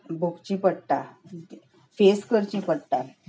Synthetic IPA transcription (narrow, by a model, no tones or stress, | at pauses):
bukt͡ɕĩpəɽʈ̪a | feskəɾt͡ɕĩpəɽt̪a